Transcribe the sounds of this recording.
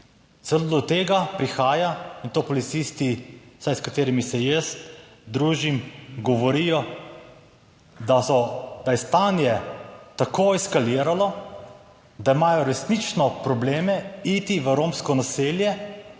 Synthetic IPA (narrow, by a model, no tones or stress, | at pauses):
t̪sɛlod̪ɔt̪eːɡapɾixaːjaint̪oːpɔlit̪sist̪isajskat̪eːɾimisɛjəst̪d̪ɾuːʒimɡɔʋɔɾijɔ | d̪aɔd̪̥ajɛst̪anjɛt̪akʰoːɛskaliːɾalɔ | d̪aimaːjɔɾɛsnit͡ʃnɔpɾɔbleːmɛit̪iʋəɾomskɔnaseːljɛ